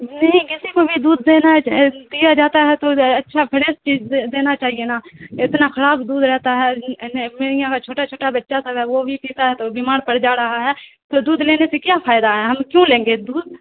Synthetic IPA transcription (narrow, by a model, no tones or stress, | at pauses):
nɐɦĩkɪsikobʱid̪uːd̪ːeːnad̪ɪjad͡ʒaːt̪aɦɛt̪oɐtːʃʰapʰɪɾeːst͡ʃiːzd̪eːnat͡ʃaːɦienaːɪt̪naxɐlaːpd̪uːd̪ɾɛɦt̪aɦɛːmeːɾɪjãkat͡ʃʰoːʈat͡ʃʰoːʈabətːʃasɐbɛʋobʱipiːt̪aɦɛt̪obiːmaːɾpəɽd͡ʒaːɾɐɦaɦɛː | t̪oːd̪uːd̪leːnesekjaːpʰaːɪd̪aɦɛːɦɐmkjõːlẽːŋɡeːd̪uːd̪̚